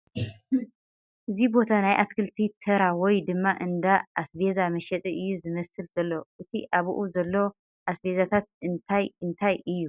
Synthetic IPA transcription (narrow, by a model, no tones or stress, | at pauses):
ʔɨzibo̞t̪ʰanajʔat̪kʰɨlt̪ʰit̪ʰɐɾawɔjd̪ɨmːaʔɨnd̪aʔːsbe̞zamɐʃɛt̪ʼiʔɨjːuzɨmɐsɨlz̥ɐlːoʔɨt̪ʰiʔaβṵʔuzɐlːo̞ | ʔasbe̞zat̪ʰat̪̚ɨnt̪ʰajɨnt̪ʰajɨjːu